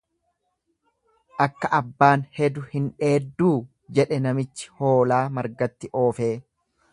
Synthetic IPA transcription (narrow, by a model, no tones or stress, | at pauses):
ʔɐkːɐʔɐbːaːnhɛd̪ʊhɪnᶑe̞ːd̪ːuː | d͡ʒɛᶑɛnɐmɪt͡ʃːɪ̥ho̞ːlaːmɐɾɡɐt̪ːɪʔo̞ːfe̞ː